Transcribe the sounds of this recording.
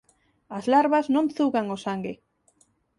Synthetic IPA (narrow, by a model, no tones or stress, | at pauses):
azlaɾβaznõnθuɣaŋosaŋɡɪ